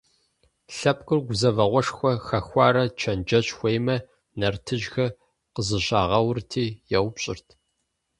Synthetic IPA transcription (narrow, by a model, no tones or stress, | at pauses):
ɬɐp̚ʼkʼɨrɡʷʊzɐvɐʁʷɔʂxʷɔxɐxʷɑːɾɐt͡ʃʰɐnd͡ʒɐɕʼxʷeːjmɐ | nɐrtʰɨʒxɐ | qəzɨɕʼaːʁɐwrtʰiːjɛwpɕʼɪ̰rtʰ